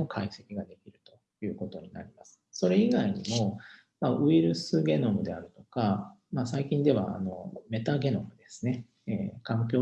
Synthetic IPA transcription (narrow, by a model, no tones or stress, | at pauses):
okʰaise̞kʲiɡad̪e̞kʲiɾɯ̟t̪o̞̥ | jɯ̟ːko̞t̪o̞ɲ̟ina̰ɾʲimasɨ̥so̞ɾe̞iɡaiɲ̟imo̞ | maɯ̟iɾɯ̟sɨɡʲe̞no̞mɯ̟d̪e̞aɾɯ̟t̪o̞kamaːsaikʲĩnd̪e̞βa̰ːno̞me̞t̪aɡe̞no̞mɯ̟d̪e̞sɨ̥ne̞ | eːkãŋk̬ʲo̞ː